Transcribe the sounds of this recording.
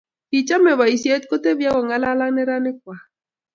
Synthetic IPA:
i˨t͡ʃa˦mɛ˨wa˨i˨sje˦t̪̚ko˦t̪e˦bja˦kɔ˨ŋa˦la˦la˦nɛ˦ɾa˦nɪ˦k̚wa˨

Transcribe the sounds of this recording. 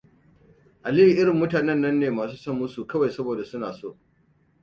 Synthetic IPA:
ʔa˨lɪ˦i˨ʔɪ˦ɽɪ˨mːʊ˦taː˨nɐ˦nːɐ˦nːeː˨maː˨suː˦sɐ˦mʊ˦su˨kɐ˦wa˨jsɐ˦boː˨da˨sʊ˦naː˨so̰ː˦ʔ

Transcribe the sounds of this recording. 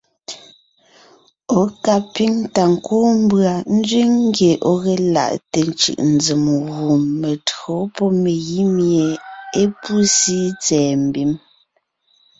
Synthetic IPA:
o˨ka˦pi˦ŋ˦ta˨ŋ̩˨koː˦m̩˦bɰa˨n̩˦d͡zɥi˦ŋŋ˦ɡe˨ʔɔ˦ɣɛ˨la̰˨ʔte˨n˦t͡ʃɯ̰˨ʔn̩˨d͡zi˨mɣu˨mːe˨tɰo˨˦pɔ˦me˨ɣi˦mje˨e˦pu˦si˦t͡sɛː˨m̩˨bi˦m

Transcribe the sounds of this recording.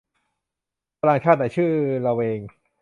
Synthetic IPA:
a˧laː˧ŋt͡ɕʰaː˥˩t̪naː˨˩˦t͡ɕʰɯː˥˩ɾa˧wʔeː˧ŋ

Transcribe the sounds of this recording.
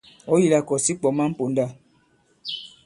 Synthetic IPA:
ɔ˦ji˦˨la˨kɔ˨si˦k͡pɔ˨ma˦m̩˦po˨nda˦˨

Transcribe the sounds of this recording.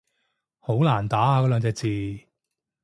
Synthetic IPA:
ho˨˥wlaː˨˩nt̪aː˨˥aː˧kɔː˨˧˥lœː˨˧ŋt͡sɛː˧k̚t͡siː˨˧

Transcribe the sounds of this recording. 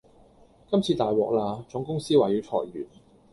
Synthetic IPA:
kɐ˥mt͡sʰiː˧t̪aː˨˩jwɔː˨k̚laː˧t͡sʊ˨˥ŋkʊ˥ŋsiː˥waː˨˩jyː˨˥wt͡sʰɔ̰ː˨˩jɥy̰ː˨˩n

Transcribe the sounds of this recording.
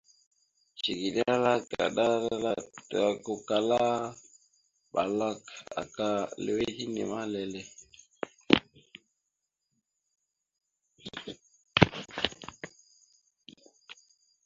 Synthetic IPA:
t͡ʃi˨ɡi˨ɗa˦la˦ka̰˨ɗa˦a˦la˦ta˨ko˨ka˨la˦ | ɓa˨la˦ka̰˨ka˦le˨we˦hi˦nḭ˨ma˦lɛ˨lɛ˨

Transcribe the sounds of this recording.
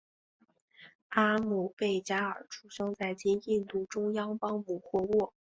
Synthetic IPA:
a˥mu˥˩pe˥˩ɪt͡ɕja˥ə˞˨˩ʈ͡ʂʰu˨˩ʂɤ˥ŋt͡sa˥˩ɪt͡ɕi˥ni˥˧nt̪u˥˩ʈ͡ʂʊ˥ŋjɑ˥ŋpɑ˥ŋmu˨˩xwɔ˥˧wɔ˥˩

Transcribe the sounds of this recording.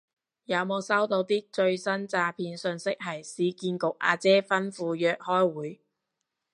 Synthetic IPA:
jɐ˨˧wmo˨˧wsɐ˥wt̪o˧wt̪iː˥t͡ʃɵ˧ɥsɐ˥nt͡saː˧pʰiː˧nsɵ˧nsɪ˥k̚ɦɐ˨˩jsiː˨˥kiː˧nkʊ˨k̚ʔa̰ː˧t͡sɛː˥fɐ˥nfuː˧jœː˧k̚hɔː˥jwuː˨˥j

